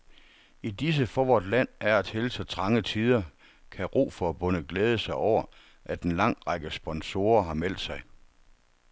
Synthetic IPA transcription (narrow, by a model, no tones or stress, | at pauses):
id̥is̬əfɒʋɒd̥læn̰æɐæd̥ʰhelsɒ̽t͡sʰʁɑ̈ŋət͡sʰiːð̞ˠɐ | kʰæʁo̝̰ːfɒ̽æb̥ɔ̽nəɡ̥leːð̞ˠəsɑ̈ɪʔɒʊ̰ɐ | ʔæd̥enlɑ̈ŋ̰ʁɑɡ̥əsb̥ɒ̽nso̝ːɐɦɑ̈mel̰d̥sɑ̈ɪ